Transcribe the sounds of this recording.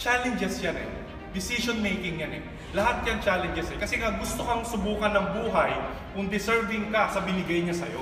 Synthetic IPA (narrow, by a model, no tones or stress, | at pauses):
t͡ʃalɛnd͡ʒɛsjanɛ̰ | d̪ɪsiʃonmejkɪŋjanɛ̰ | lɐhat̪̚kɐŋt͡ʃaːlɛnd͡ʒɛsɛkɐsɛŋaɡʊst̪okɐŋsʊbuːkɐnːɐŋbuːɦɐj | kʊnd̪ɪsɛɹvɪŋkɐsɐbɪnɪɡajɲasɐjo̰